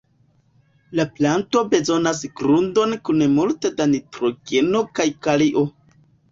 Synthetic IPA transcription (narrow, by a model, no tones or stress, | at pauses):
laplanto̞be̞zo̞nas̬ɡɾundo̞nkunemulte̞danitɾo̞ɡe̞no̞kajkaliʔo̞